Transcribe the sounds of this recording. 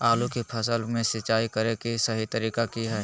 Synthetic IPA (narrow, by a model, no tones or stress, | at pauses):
aːlukipʰɐsəlmẽsɪt͡ʃaːikɐɾekisɐɦit̪ɐɾiːkakiɦɛː